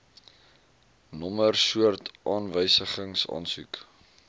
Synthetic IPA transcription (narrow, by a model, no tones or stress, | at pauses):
nɔmərsuərtʔɑːnvəjsəχəŋsɑ̰ːnsuk